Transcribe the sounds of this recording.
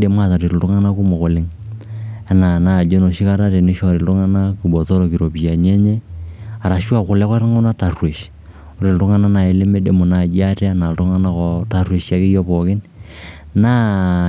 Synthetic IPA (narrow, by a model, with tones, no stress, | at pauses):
de˨ma˦˨ta˨ɾe˨ltʊ˦ŋa˦na˦ku˦mɔ˨kʊ˨lɪ˦ŋ | a˨na˨na˨d͡ʒo˦no˨ʃi˦ka˦ɾa˦te˨nɪ˦ʃɔ˦˨ɾe˨ltʊ˦ŋa˦na˦ku˨bɔ˨tɔ˦ɾo˨ki˨ɾo˨pi˨ja˨n˦ɛ˦ɲɛ˦a˨ɾa˨ʃwa˦˨kʊ˨lɛ˦kɔ˦ɾŋɔ˦na˦ta˨rwe˨ʃ | ʊ˨ɾe˨ltʊ˦ŋa˦na˦na˨ɪ˨˦lɪ˦me˦de˨mʊ˨na˨d͡ʒi˦a˦tɛ˦a˦na˨ltʊ˦ŋa˦na˦kɔ˦ta˨rwe˨ʃa˨kɪ˦jɔ˦pɔ˨kɪ˦n | na˦